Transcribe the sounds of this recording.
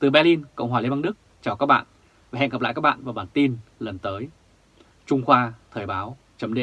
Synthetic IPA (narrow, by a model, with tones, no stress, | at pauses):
t̪ɨ˨˩ɓɛ˧li˧nkə̰˧˨wŋ͡mɦwaː˨˩e˧mɓa˧ŋɗɨ˦˥k̚t͡ɕaː˨˩wkaː˦˥k̚ɓa̰ː˧˨n | va˨˩ɦɛ̰˧˨ŋə˨˩p̚la̰˧˨jkaː˦˥kɓa̰ː˧˨nvaː˨˩wɓaː˨˩nt̪i˧nlə˨˩nt̪əː˨˦j | t͡ɕʊ˧ŋ͡mxwaː˧t̪ʰəː˨˩jɓaː˨˦w | t͡ɕə˨˦mɗḛ˧˨